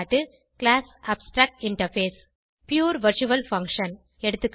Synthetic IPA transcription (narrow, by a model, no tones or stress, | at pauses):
ʈːɯ | klaːsaːbsʈɾaːk̚ʈɪɳʈɐɾfeːs | pjuːɾʋɐɾt͡ʃuʋɐlfɐ̃ŋkʂɐn | ɛɽɯt̪ːɯkː